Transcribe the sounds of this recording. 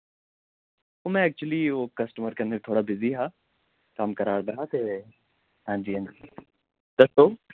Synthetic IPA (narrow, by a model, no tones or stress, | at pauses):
omɛ̃ɛk̚t͡ʃuwəlioːkɐsʈəməɾkɐnːebt̪ʰoːɽabɪziɦaː | kamkɐɾaːɾd̪aɦat̪e | ɦãːd͡ʒiɦãːnd͡ʒi | d̪ɐst̪oː